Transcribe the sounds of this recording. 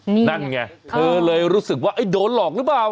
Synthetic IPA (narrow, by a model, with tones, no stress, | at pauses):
na˥˩nŋa˧˩t̪ʰɤː˧lɤː˧jɾuː˦˥sɯ˨˩k̚waː˥˩ʔa˥˩jdoː˧nlɔː˨˩k̚lɯ˦˥plaː˨˩w